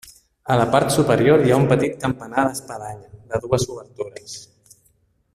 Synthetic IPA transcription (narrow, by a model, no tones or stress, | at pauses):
ələpaɾt̪supəɾjoɾjaumpət̪it̪̚kəmpənaðəspəðaʎəðəðuəzuβəɾt̪uɾəs